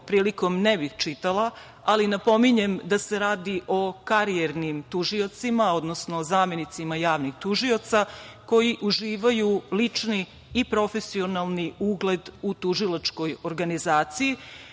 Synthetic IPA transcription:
pɾiːliko̞mnebixt͡ʃit̪alˠa | alinapo̞miɲe̞md̪ase̞ɾaːd̪iʔo̞kaɾieɾnimt̪uʒio̞t̪simao̞d̪nosnozaːmje̞nit̪simajaːʋnixt̪uʒio̞t̪sako̞jiʔuʒiːʋajulit͡ʂniː | pɾo̞fe̞sio̞nalˠniuɡle̞d̪ut̪uʒilˠat͡ʃko̞jo̞ɾɡanizaːt̪siji

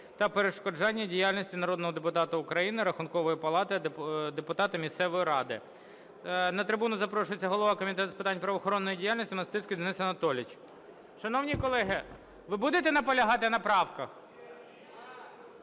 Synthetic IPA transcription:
t̪ɐpeɾeʃkɔd͡ʒɑnʲːɐdʲijalʲnʲisʲtʲinɐɾɔd̪nɔɦɔd̪epʊt̪ɑt̪ɐʊkɾɐjinɪɾɐxʊnkɔʋɔjipɐlˠɑt̪ɪɐd̪epʊt̪ɑt̪ɐmʲist̪sɛʋɔjiɾɑd̪ɪ | nɐt̪ɾɪbunʊzɐpɾɔʃʊjet͡sʲːɐɦɔlˠɔʋɑkɔmʲit̪ɛt̪ʊspɪt̪ɑnʲpɾɐʋɔxɔɾɔnːɔjidʲijalʲnisʲtʲʊnɐst̪ɪskɪd̪enɪsɐnɐt̪ɔlʲɪt͡ʃʲ | ʃɐnɔwnʲikɔlˠɛɦɪ | ʋɪbud̪et̪ɛnɐpɔlʲɐɦɑt̪ɪnɐpɾɑwkɐx

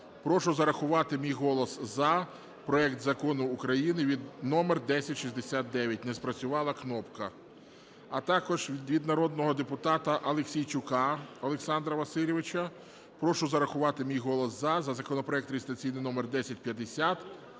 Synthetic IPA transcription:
pɾɔʃʊzɐɾɐxʊʋɑt̪ɪmʲijɦɔlˠɔszɐ | pɾɔɛkt̪zɐkɔnʊːkɾɐjinɪʋʲid̪nɔmerd̪ɛsʲɐtʲʃizʲd̪esʲat̪̚d̪ɛʋʲjɐtʲnɛspɾɐt͡sʲʊʋɑlˠɐknɔpkɐ | ɐt̪ɑkɔʒʋʲʋʲid̪nɐɾɔd̪̚nɔɦɔd̪epʊt̪ɑt̪ɐʔɐlˠeksʲijt͡ʃʊkɑɐlˠeksɑnd̪ɾɐʋɐsɪlʲɪʋɪt͡ʃɐ | pɾɔʃʊzɐɾɐxʊʋɑt̪ɪmʲijɦɔlˠɔszɐzɐzɐkɔnɔpɾɔɛk̚t̪ɾʲeɪst̪ɐt͡sʲijnɪjnɔmerd̪ɛsʲɐt̚ʲpjɐd̪esʲat̪

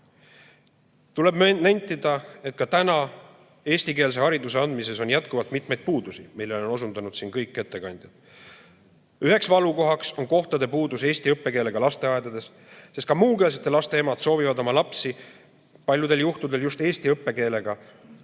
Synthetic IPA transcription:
t̪ule̞bnæjnt̪ːˑid̪̥ɑe̞t̪̚ˑkɑt̪ænɑ | e̞ːsʲt̪ike̞ːls̬e̞hɑɾid̪use̞ɑnd̪mise̞so̞njæt̪̚kuvɑlt̪mit̪mejd̪̥̚puːd̪usimilːe̞lo̞no̞s̬und̪ɑnud̪̥sinkɤjkːet̪ːe̞kɑnʲd̪̥jɑd̪̥ | yɦe̞ksvɑluko̞ɦɑkso̞nko̞ht̪ɑd̪e̞puːd̪use̞ːst̪iɤpːe̞ke̞ːle̞ɡ̥ɑlɑst̪e̞ɑed̪ɑd̪e̞s | sest̪kɑmuːke̞ːlset̪ːˑelɑst̪e̞emɑd̪̥so̞ːvivɑd̪o̞mɑlɑpsi | pɑlʲjud̪e̞ljuht̪ud̪e̞ljust̪e̞ːsʲt̪iɤpːe̞ke̞ːle̞ɡ̥ɑ

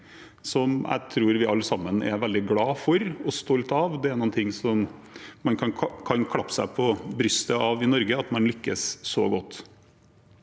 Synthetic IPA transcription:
sɔmæ̰ɪt̪ʰɾuːɾʋɪɑlːsɑmːənɛ̰ʋɛld̪ɪɡlɑːfɔɾɔst̪ɔlt̪ɑʋd̪ɛæɾnɔːnt̪ʰɪŋːsɔmmɑnkʰɑnkʰɑnkʰɑpːsæ̰ɪpʰɔbɾʏst̪əɑʋɪnɔɾɡəɑt̪mɑnlʏkːəsːɔɡɔt̪ː

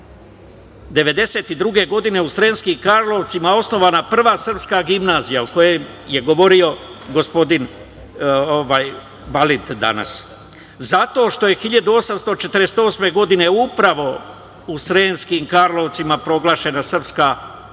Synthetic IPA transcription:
d̪e̞ʋe̞d̪e̞se̞ːt̪id̪ɾuɡe̞ɡo̞d̪ine̞usɾe̞ːnskimkaɾlˠo̞ʋt̪simao̞sno̞ʋanapr̩ʋaːsr̩pskaɡimnaːzijaoko̞jem | je̞ɡo̞ʋo̞ɾio̞ɡo̞spo̞d̪in | oʋaːj | balit̪d̪a̰na̰s | zat̪o̞ːʃt̪o̞je̞xiʎad̪uo̞samst̪o̞t͡ʃe̞t̪əɾest̪o̞ːsme̞ɡo̞d̪ine̞upɾaʋo̞ | usɾeːnskimkaɾlo̞ʋt̪simapɾo̞ɡlˠaːʃe̞nasr̩pskaː

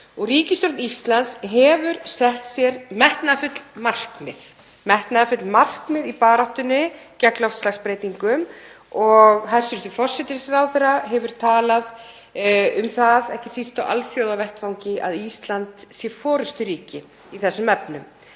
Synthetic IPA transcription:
ɔɣriːcɪst̪ɔɾt̪nist̪lansɦɛvʏɾsɛht̪sjɛɾmɛht̪nafʏt̪lmar̥kmɪð | mɛht̪naðfʏt̪lmar̥kmɪðipaːɾaht̪ʏnɪcɛklaɔwft̪slaxspɾeːjt̪iŋkʏm | ɔɣhaðsʏɾt̪ʏfɔr̥sɛt̪ɪsɾawθɛɾaɦɛvʏɾ̥t̪ʰaːlað | ʏmθaðɛhcɪsist̪aʔa̰lθjoːwðavɛht̪fawŋcɪa̰ðist̪lant̪sjɛfɔːɾʏst̪ʏɾiːcɪ | iθɛsːʏmɛpnʏm

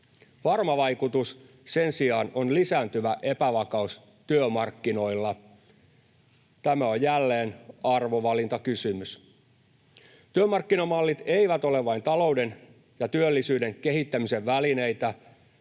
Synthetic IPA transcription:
ʋɑrmɑʋɑjkut̪us | se̞nsiɑːno̞nlisæːnt̪yʋæʔe̞pæʋɑkɑus | t̪yømɑrkːino̞ilːɑ | t̪æmæo̞jjælːe̞ːnɑrʋoʋɑlint̪ɑkysymys | t̪yømɑrkːinɑmɑlːit̪e̞iʋæt̪o̞leʋʋɑint̪ɑlo̞ude̞n | jɑt̪yølːisyːde̞ŋke̞ɦit̪ːæmise̞ʋːæline̞it̪æ

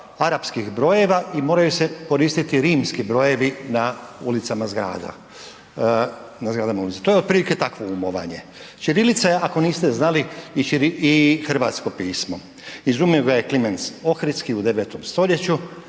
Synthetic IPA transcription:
aɾapskixbɾo̞je̞ʋaʔimoːɾajuse̞ko̞ɾiːst̪it̪iɾiːmskibɾo̞je̞ʋinaulit̪samazɡɾa̰ːd̪a̰ | nazɡɾaːd̪amaulit̪e̥t̪ojeod̪̚pɾilike̞t̪akʋoumoʋa̰ɲe̞t͡ʃiɾilit̪saje̞ʔako̞niːst̪eznaliːt͡ʃiɾiixr̩ʋa̰t̪sko̞piːsmo̞ | izumioɡaje̞klimenso̞xɾit̪skiud̪e̞ʋet̪o̞mst̪o̞ʎje̞t͡ɕu

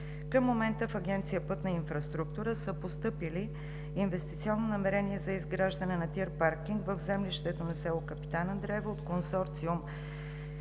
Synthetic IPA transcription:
kəmːomɛnt̪əfɐɡɛnt̪sijəpɤt̪nɐinfɾɐst̪ɾuk̚t̪uɾəsəpost̪ɤpiliː | nvɛst̪it̪siɔnːonɐmɛɾɛniɛzɐizɡɾaʒd̪ənɛnɐt̪iɾpaɾkiŋɡvəvzɛmliʃt̪ɛt̪onɐsɛlˠokəpi̥t̪anəd̪ɾɛvəot̪konsɔɾt̪sium

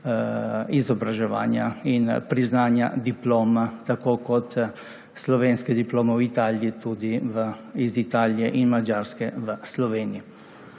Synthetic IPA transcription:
izɔbɾaʒɛʋa̰ːnjainpɾiznaːnja̰d̪iploːmat̪akoːkɔt̪ | slɔʋeːnskɛd̪iploːmɛwit̪aːljit̪ud̪iʋəizit̪aːliɛʔinmad͡ʒaːɾskɛʋəslɔʋeːnii

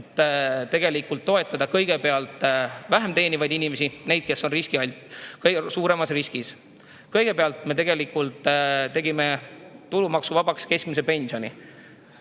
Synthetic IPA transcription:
t̪ːt̪e̞ɡ̥e̞likult̪ːo̞e̞t̪ːˑɑd̪ɑkɤjɡ̥e̞pe̞ɑlt̪ˑvæɦemt̪e̞ːnʲivɑjd̪inime̞sine̞jd̪̥̚ke̞sːo̞nriskiɑlʲt̪kɤsuːɾe̞mɑsriskis | kɤjɡ̥e̞peɑlt̪me̞t̪e̞ɡe̞likult̪ˑt̪e̞ɡime̞t̪ulumɑksuvɑb̥ɑkske̞skmise̞pe̞nʲsionʲi

